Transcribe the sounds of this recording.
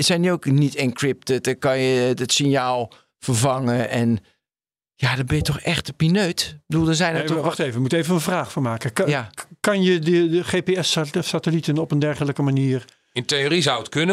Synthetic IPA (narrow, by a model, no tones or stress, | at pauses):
əsɛjnəowknitɪnkrɪp̚tətəkɑnjədətsɪnjaːlˠ | fərvaŋəɛn | jadɔbɪjətɔxɛxtəpinøːtbədulˠdɔsɛjnəʋaxteːvəjəmutəejvənənvraːχfoːmaːkəjakɑnjədəəχeːpeɛssatəlitənɔpəndɛrχələkəmaniːr | ɪnteorizawətkønə